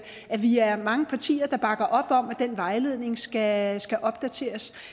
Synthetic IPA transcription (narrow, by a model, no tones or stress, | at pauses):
ʔæʋiæɐmɑ̈ŋəpʰɑ̈t͡sʰḭːɐd̥ɑ̈b̥ɑ̈ɡ̥ɐʔɒ̽b̥ɒ̽m̰æd̥enʋɑ̈ɪle̝ð̞̰ˠne̝ŋsɡ̥æsɡ̥æʔɒ̽b̥̚d̥æt͡sʰe̝̰ːɐs